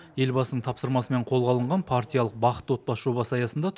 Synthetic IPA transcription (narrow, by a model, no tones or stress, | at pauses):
je̞lbɑsənəɴt̪ʰɑpsəɾmɑsəme̞ɴqʰo̞lˠʁɑlˠəɴʁɑnpʰart̪ʲijalˠəq̚bɑqə̥t̪wo̞t̪̚bɑsʒ̥o̞βɑsəɑjɑsənd̪ɑt̪ʰ